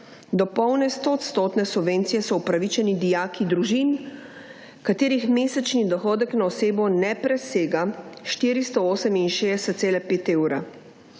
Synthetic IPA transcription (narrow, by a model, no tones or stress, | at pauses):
d̪ɔpɔwnɛst̪ot̪st̪oːt̪nɛsubʋeːnt̪sijɛsɔupɾaʋit͡ʃɛnid̪ijaːkid̪ɾuʒin | kat̪eːɾixmeːsɛt͡ʃnid̪ɔxɔːd̪əknaɔseːbɔnɛpɾɛseːɡaʃt̪iːɾist̪ɔoːsɛminʃeːdɛsɛt̪t̪seːlɛpeːt̪eːwɾa